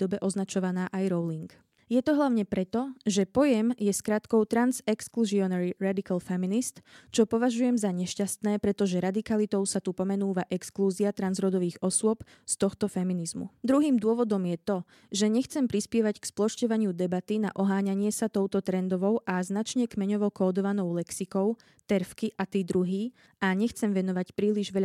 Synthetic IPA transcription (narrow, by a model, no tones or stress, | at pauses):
d̪ɔbɛʔɔznat͡ʃɔʋanaːʔajɾɔʊliŋk | jɛt̪ɔɦlaʊɲɛpɾɛt̪ɔʒɛpɔjɛmjɛskɾaːt̪kɔʊt̪ɾanzɛkskluziɔnɛɾiɾad̪ikalfɛminist̪t͡ʃɔpɔʋaʒujɛmzaɲɛʃcast̪nɛːpɾɛt̪ɔʒɛɾad̪ikalit̪ɔʊsat̪upɔmɛnuːʋaʔɛkskluːziat̪ɾanzɾɔd̪ɔʋiːɣɔsʊɔp | st̪ɔxt̪ɔfɛminizmṵd̪ɾuɦiːmd̪ʊɔʋɔd̪ɔmjɛt̪ɔ | ʒɛɲɛxt͡sɛmpɾispɪɛʋacksplɔʃcɔʋaɲɪud̪ɛbat̪ina̰ʔɔɦaːɲaɲɪɛsat̪ɔʊt̪ɔt̪ɾɛnd̪ɔʋɔʊʔaznat͡ʃɲɛkmɛɲɔʋɔkɔːd̪ɔʋanɔʊlɛksikɔʊ | t̪ɛɾfkiʔat̪iːd̪ɾuɦiː | ʔaɲɛxt͡sɛmʋɛnɔʋacpɾiːliʒʋɛʎ